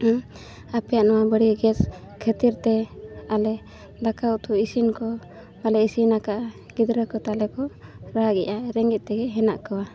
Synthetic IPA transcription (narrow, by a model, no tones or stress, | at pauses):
apɛjaʔnɔwabəɽiɡɛs | kʰət̪iɾt̪ɛalɛ | d̪akawt̪ɔisinkɔ | malɛisinakaʔ | ɡ̥id̪ɾəkɔt̪alɛkɔɾaɡɛʔaɾɛŋɡɛt̪̚ˀt̪ɛɡɛɦɛna̰ʔkawa